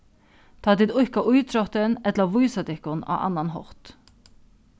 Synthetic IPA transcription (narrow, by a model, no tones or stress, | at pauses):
t̪ʰɑːd̪ɪd̪ʊkɑʔʉːt̪ʰɾɔt̪ənɛt̪ləʋuːsɑd̪ɪkʊnɑ̰ːʔɑ̰nɑnɦɔ̰ʁt̪